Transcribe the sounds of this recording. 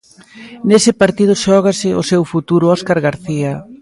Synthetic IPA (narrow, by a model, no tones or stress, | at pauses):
nesɪpaɾt̪iðʊʃɔɣ̞asɪo̰sewfut̪uɾʊɔskaɾɣaɾθia